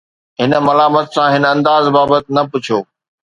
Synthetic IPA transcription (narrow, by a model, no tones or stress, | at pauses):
ɦɪn̆mɐlaːmət̪sãɦɪnɐ̃nd̪aːzbaːbət̪nɐpʊt͡ɕʰoː